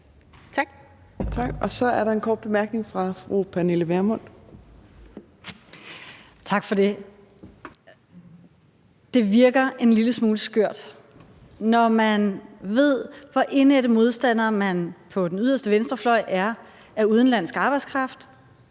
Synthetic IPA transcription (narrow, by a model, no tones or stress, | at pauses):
t͡sʰɑɡ̥ɒ̽sɒ̽æɐɾɑ̈e̝nkʰɒːd̥̚b̥e̝mæɐɡ̥ne̝ŋfʁɑ̈fʁupʰæne̝ləʋæɐmɔn̰ | t͡sʰɑ̈ɡ̥fɒ̽de̝ | d̥e̝ʋiɐɡ̥ɐe̝nliləsmuːləsɡ̥øɐ̰d̥ | nɒmænʋe̝ð̰ˠʋɒʔe̝ned̥əmo̝ð̞ˠsd̥æn̰ɐmænpʰɒ̽d̥enyð̞̰ˠɐsd̥əʋensd̥ʁɐflɒ̽ɪ̰ʔæɐ | æɐuð̞ˠn̩læn̰sɡ̥ɑ̈ːb̥ɑ̈ɪdskʰʁɑ̈fd̥